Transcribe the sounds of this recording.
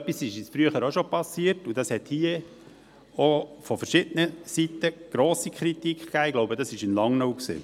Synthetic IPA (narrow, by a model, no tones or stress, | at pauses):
œpːisɪʃɪsfɾyəχəɾoʃɔpɑsiəɾtud̥ɑshɛt̪hiə | ɔfɔfəɾʃɪd̥ənəsit̪ːəɡ̥ɾoːsikʰɾit̪ikkæːɪɡ̥loʊbədɑsɪʃɪnlɑŋnowksḛː